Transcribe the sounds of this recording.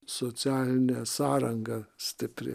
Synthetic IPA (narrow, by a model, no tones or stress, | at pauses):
sot̪sʲɪɑːlʲɪnʲɛːsɑːɾɐŋɡɑsʲt̪ʲɪpʲɾʲɪ̰